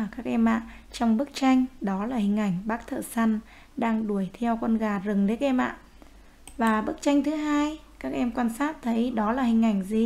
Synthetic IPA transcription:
kaː˦˥k̚ʔɛ˧mʔa̰ː˧˨ʔt͡ɕɔ˧wŋ͡mɓɨ˦˥ək̚t͡ɕa˧jŋ̟ɗɔ˨˦laː˨˩hï˨˩ŋ̟ʔa˧˩jŋ̟ɓaː˦˥k̚t̪ʰə̰ː˧˨˩sa˧n | ɗaː˧ŋɗu˧˩əjt̪ʰɛ˧wkwə˧nɣaː˨˩zɨ˨˩ŋli˨˦˥ək̚ʔɛ˧mʔa̰ː˧˨ʔ | vaː˨˩ɓɨ˦˥ək̚t͡ɕa˧jŋt̪ʰɨ˨˦ɦaː˧j | kaː˦˥k̚ʔɛ˧mkwaː˧nsaː˦˥t̚t̪ʰə˨˦jɗɔ˨˦laː˨˩hï˨˩ŋ̟ʔa˧˩jŋ̟zi˨˩

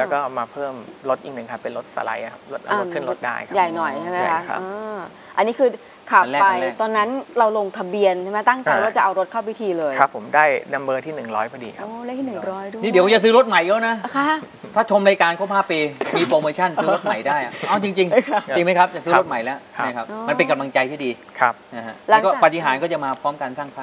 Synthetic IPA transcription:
lɛː˦˥kɔː˥˩maː˧pʰɤː˥˩mɾo˦˥t̪̚ʔi˨˩k̚nɯ˨˩ŋkʰa˦˥˩pːe˧nɾo˦˥t̪̚sa̰˧la̰˧jʔa˨˩kʰa˦˥p̚o˦˥t̪̚ʔa˧a˧˦ɯ˥˩ə˨nɾo˦˥t̪̚da̰ː˥˩jkʰja˨˩jnɔ˨˩jʰa˥˩jma˦˥kʰa̰˦˥˦ʔɤː˧ | ʔa˧nːi˦˥kʰɯː˧ | kʰa˨˩lɛː˥pa˧jt̪ɔː˧nːa˦˥nɾa˧wlo˧ŋt̪ʰa˧bi˧ənt͡ɕʰa˥˩ma˦˥jt̪a˥˩ŋt͡ɕa˧jwaː˥˩t͡ɕa˨˩ʔa˧wɾo˦˥t̪̚kʰa˥˩wi˦˥t̪ʰiː˧lɤː˧jʰa˦˥pʰːo˩˦mdaː˥˩jna˧mbɤː˧t̪ʰiː˥˩nɯ˨˩ŋɾɔː˦˥jpʰa˧˩dḭː˧˩kʰa˦˧ɛ˦˥t̪ʰiː˥˧nɯ˨˩ŋɾɔː˦˥jdniː˥˩di˩˦˥t͡ɕa˨sɯː˦˥ɾo˦˥t̪̚ma˨˩˦jlɛː˦˥wna˦˥kʰa˦˥ | t̪ʰaː˥˩t͡ɕʰo˧mlaː˧jkaː˧nkʰa˥˩pʰaː˥˩pːiː˧miː˧pɾoː˧moː˧t͡ɕʰa˥˩nsɯː˦ɾo˦˥t̪̚ma˨˩jdaː˥˩jʔa˨˩ʔa˧˩wt͡ɕi˧ŋt͡ɕi˧ŋʰ˦t͡ɕi˧ŋma˦˥jkʰa˦˥p̚t͡ɕa˨˩sɯː˦˥˦ɾo˦˥t̪̚ma˨˩˦jlɛ˦˥wʔʰa˥˩kʰa˦˥p̚ːma˧npe˧nka˧mla˧ŋt͡ɕa˧jt̪ʰi˥˩diː˧ | kʰa˧˦˥na˧ha˦˥ʔla˧˦kɔː˥˩pa˨t̪ʰi˨˧˦ɦaː˩˦nkɔː˥˩t͡ɕa˨˩maː˧pʰɔː˦˥mkaː˧nsaː˥˩ŋpʰaː˥

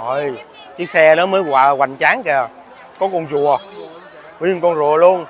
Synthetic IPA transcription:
o˨˩j | ki˨˦sɛ˧laː˨˦məː˨˦jɣwaː˨˩ɣwa̰˨˩jŋt͡ɕaː˨˦ŋkɛ˨˩ | kɔ˨˦kɔ˧˩nzu˨˩ə˩ | wi˧ənkɔ˧nzu˨˩əlu˧ən

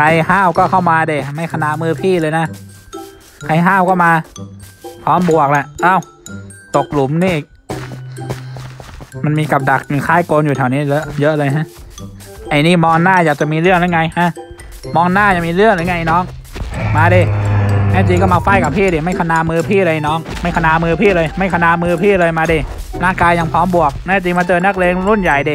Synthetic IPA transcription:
kʰa˧jhaː˥˩wkɔː˥˩kʰa˥˩wmaː˧deː˧˩ma˥˩jkʰa˧naː˧˩mɯː˧˩pʰiː˥˩˨lɤː˧jna˦˥ | kʰa˧jɦaː˥˩wkɔː˥˩maː˧ | pʰɔː˦˥mbu˨˩ək̚lɛ˧˩ʔaː˧˩w | t̪o˨˩k̚lu˩˦mniː˧˥˩ʔiː˨˩k̚ | ma˧nmiː˧ka˨˩p̚da˨˩k̚i˨˩kʰaː˦˥˩jkoː˧njuː˨˩a˨˩wniː˦˥˨jɤ˦˥ʔjɤ˦˥ʔlɤː˧jɦa˦˥ʔ | ʔa˧˩jniː˧˥˩mɔː˧ŋnaː˥˩jaː˨˩k̚t͡ɕa˨ʔmiː˧lɯ˥˩əŋna˧˩jŋa˧jha˦˥˨ | mɔː˧ŋnaː˥˩ja˨˩miː˧lɯ˥˩əŋlaː˧˩jŋa˧˩˨ʔa˧˨nɔː˦˥˩ŋmaː˧diː˧˩naː˦˧˥t͡ɕ̪̬i˧kɔː˥˩maː˧fa˧˩jka˨˩pʰiː˥˩diː˧˩ma˥˩jkʰa˧naː˧mɯː˧pʰiː˥˩lɤː˧jʔa˧˩jnɔː˦˥˩ŋma˥˩jka˧naː˧mɯː˧pʰiː˥˩˨lɤː˧jma˥˩jkʰa˧naː˧mɯː˧pʰiː˥˩lɤː˧jmaː˧di˧˩ | laː˥˩ŋkaː˧jːa˧ŋpʰɔː˦˥mbu˨˩ək̚naː˦˧˥t͡ɕ̪̬i˧maː˧t̪ɤː˧˩nna˦˥˩k̚leː˧ŋɾu˧˥˩nja˨˩jdiː˧˩

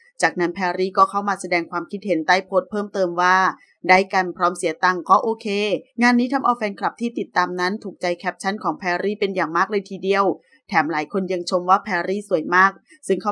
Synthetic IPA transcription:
t͡ɕaː˨˩k̚na˦˥npʰɛː˧ɾiː˥˩kɔː˥˩kʰa˥˩wmaː˧sa˧dɛː˧ŋkʰwaː˧mkʰi˦˥t̪̚he˩˦nt̪aː˥˩jpʰoː˦˥t̪̚pʰɤː˥˩mt̪ɤː˧mwaː˥˩ | daː˥˩jka˧npʰɾɔː˦˥msi˨˩˦ɐt̪a˧ŋkɔː˥˩ʔoː˧kʰeː˧ŋaː˧nːiː˦˥t̪ʰa˧mʔa˧wfɛː˧nkʰɾa˨˩p̚t̪ʰiː˥˩t̪i˨˩t̪ːaː˧mna˦˥nt̪ʰuː˨˩k̚t͡ɕa˧jkʰɛ˦˥p̚t͡ɕʰa˦˥˨nkʰɔː˩˦ŋpʰɛː˧ɾiː˥˩pe˧njaː˨˩ŋmaː˥˩k̚lɤː˧jt̪ʰiː˧di˧əw | t̪ʰɛː˩˦mlaː˩˦jkʰo˧nja˧ŋt͡ɕʰo˧mwaː˥˩pʰɛː˧ɾiː˥˩su˨˩əjmaː˥˩k̚ | sɯ˥˩ŋkʰa˦˥˩

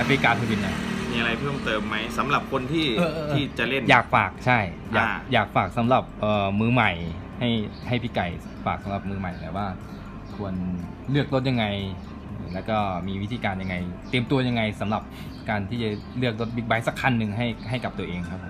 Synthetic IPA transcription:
ʔa˧˥fɾi˧kaː˧t̪ʰu˧bi˧na˧˩miː˧ʔa˧ɾa˧jpʰɤː˥˩mt̪ɤː˧mːa˦˥jsa˩˦mɾa˨˩p̚kʰo˧nt̪ʰiː˥˩˧iː˥˩t͡ɕa˨˩le˥˩njaː˨˩k̚faː˨˩k̚t͡ɕʰa˥˩j | jaː˨˧jaː˨˩k̚faː˨˩k̚sa˩˦mɾa˨˩p̚ʔɤː˨˩mɯː˧ma˨˩j | ha˥˩jha˥˩jpʰiː˦˥˩ka˨˩j | faː˨˩k̚sa˩˦mɾa˨˩p̚mɯː˧ma˨˩jlaː˨˩waː˥˩ | kʰu˧ən | lɯ˥˩ək̚lo˦˥t̪̚ja˧ŋːa˧jː | lɛː˦˥wkɔː˥˩miː˧wi˦˥t̪ʰiː˧kaː˧nja˧ŋːa˧jt̪i˧əmt̪u˧ɐja˧ŋːa˧jsa˩˦mɾa˨˩p̚ | kaː˧nt̪ʰiː˥˩t͡ɕa˨˩lɯ˥˩ək̚lo˦˥t̪̚bi˦˥k̚ba˦˥jsa˦˥kʰa˧nːɯ˨˧ŋɦa˥˩jɦa˥˩jka˨˩p̚t̪u˧ɐʔeː˧ŋkʰa˦˥p̚ʰ

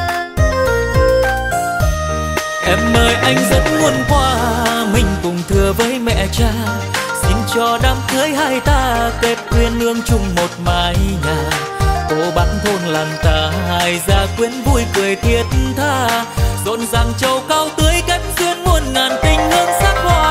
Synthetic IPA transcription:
ʔɛ˧˩mːəː˨˩jʔa˧jŋ̟zə˧˦˥t̚ŋu˧ənkwaː˧mï˧ŋ̟kʊ˨˩ŋ͡mt̪ʰɨ˨˩əvəː˨˦jmɛ̰˧˨t͡ɕaː˧ | si˧nt͡ɕɔ˧˩ɗaː˧˩mkɨː˦əjhaː˧jt̪aː˧k̪e˧˦˥p̚kwi˧ənʔɨ˧əŋt͡ɕʊ˧˩ŋ͡mmo˨˩t̚maː˨˩jɲaː˨˩ | ko˨˧˦ɓa˨˦˥nt̪ʰo˧nlaː˨˩mt̪aː˨˩haː˨˩jzaː˧˩kwi˨˦ənvu˧jkɨ˨˩əjt̪ʰi˧˩ət̚t̪ʰaː˧˩zo̰˧˨nza˨˩ŋt͡ɕə˨˩wkaː˧wt̪ɨ˨˦əjka˨˦jmzi˧ənmu˧ənŋaː˨˩nt̪ï˧˩ŋ̟nɨ˧əŋsaː˦˥k̚hwaː˧˩

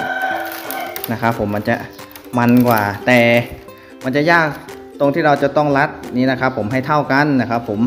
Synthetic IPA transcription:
na˦˥kʰa˦˥pʰːo˩˦mːa˧nt͡ɕa̰˧˩ʔ | ma˧nkwaː˨˩t̪ɛː˨˩ | ma˧nt͡ɕa˨˩jaː˥˩k̚ | t̪o˧ŋt̪ʰiː˥˩ɾa˧wt͡ɕa˨˩t̪ɔ˥˩ŋla˦˥t̪̚niː˦˥na˦˥kʰa˦˥pʰːo˩˦mɦa˥˩jt̪ʰa˥˩wka˧˥˨nna˦˥˩kʰa˦˥pʰːo˩˦m

